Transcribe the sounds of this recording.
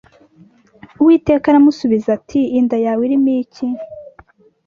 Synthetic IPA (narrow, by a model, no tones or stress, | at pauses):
uwiːte̞ːkaɾamusuβizatʰiːndajawiɾimiːci